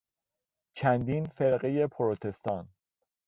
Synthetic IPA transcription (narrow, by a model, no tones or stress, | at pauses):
t͡ʃʰænd̪iːnfeɾɢeje̞pʰoɾot̪ʰe̞st̪ɒːn